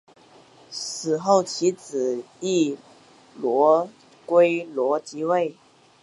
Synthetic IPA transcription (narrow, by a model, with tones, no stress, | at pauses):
sɹ̩˨˩xo˥˩ʊt͡ɕʰi˧˥t͡sɹ̩˨˩ | i˥˩ | lwɔ˧˥ | kwe˥ɪlwɔ˧˥t͡ɕi˧˥we˥˩ɪ